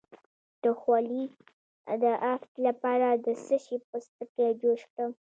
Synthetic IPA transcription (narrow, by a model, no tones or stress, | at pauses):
d̪̥əxwɑli | d̪əʔaft̪lapɑɾad̪əsəʃipəst̪əked͡ʒoʃkɽəm